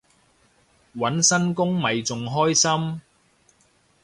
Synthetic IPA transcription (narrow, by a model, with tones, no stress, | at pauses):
wɐ˨˥nsɐ˥nkʊ˥ŋmɐ˨jt͡sʊ˨ŋɦɔː˥jsɐ˥m